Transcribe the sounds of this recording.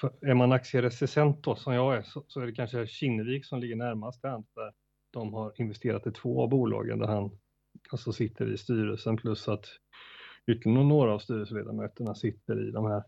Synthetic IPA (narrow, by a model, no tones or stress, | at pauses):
fæɾmanaksɪəɾɛsɪsɛnt̪̚d̪ɔsɔmjɑːɡæsɔsɔæɖɛkʰanʂəɕɪnːəviːksɔmlɪɡːəɳæɾmast̪and̪d̪æɾ | d̪̥ɔmɦaɾɪnvɛst̪ʰeːɾat̪ɪt̪ʰvoːa̰vbuːlɑ̰ːɡə̰nd̪æ̰ɾhan | alt̪sɔsɪt̪ʰːə̰ɾɪ̰st̪yːɾəlsənpʰlɵsat̪ | ʏːt̪ʰːəlɪənɔnoːɾaːvst̪yːɾəsəleːd̪a̰ɾmøːt̪əɳasɪt̪ːəɾɪ̰d̪ɔmhæːɾ